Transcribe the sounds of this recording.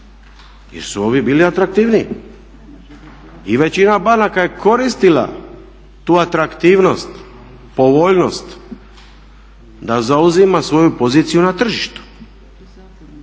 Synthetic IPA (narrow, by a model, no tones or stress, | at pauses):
jḛɾsuo̞ʋibiːliat̪ɾak̚t̪iːʋni | iʋe̞t͡ɕinabanakaje̞ko̞ɾist̪ila̰ | t̪uːat̪ɾakt̪iːʋno̞st̪ | po̞ʋo̞ʎno̞st̪ | d̪azauzimasʋo̞jupo̞ziːt̪sijunat̪r̩ʒiʃt̪u̥